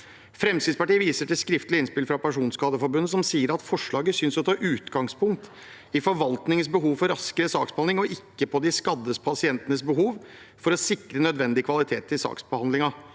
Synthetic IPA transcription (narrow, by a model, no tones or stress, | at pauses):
fɾɛmsɪd̪spɑʈiːəʋiːsəʈɪlskɾɪft̪lɪɪnspɪlfɾɑpæʂuːnskɑːd̪əfɔɾbʉnːəsɔmsiːəɾɑt̪fɔʂɭɑːɡəsʏnsɔt̪ʰɑːʔʉːt̪ɡɑŋspʊŋk̚t̪ | ɪfɔɾʋɑlt̪nɪŋənsbəɦuːʋfɔɾɑskəɾəsɑːksbəhɑnɪŋɔʔɪkːəpʰɔd̪ɪskɑd̪ːəspʰɑsɪɛnt̪ənəsbəɦuːʋ | fɔɾɔsɪkɾənœd̪ʋɛnd̪ɪkʰʋɑlɪt̪ʰeːt̪ʰːɪlsɑ̰ːksbəhɑnd̪lɪŋɑ